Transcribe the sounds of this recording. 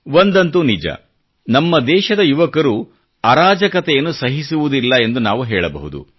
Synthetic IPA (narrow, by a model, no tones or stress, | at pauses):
ʋond̪ɐnt̪unid͡ʒɐ̰ | nɐmːɐd̪ɛːʃɐd̪ɐjuʋɐkɐɾu | ɐɾaːd͡ʒɐkɐt̪ɛjɐnːusɐɦisuʋud̪ilːɐe̞nd̪unaːʋuɦɛːɭɐbɐ̰ɦud̪ṵ